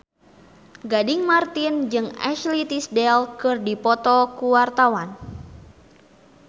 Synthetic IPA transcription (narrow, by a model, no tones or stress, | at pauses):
ɡadiŋmart̪ind͡ʒɨŋɛ̰ʃlit̪isdɛlkɨrdipɔt̪ɔkuwart̪awan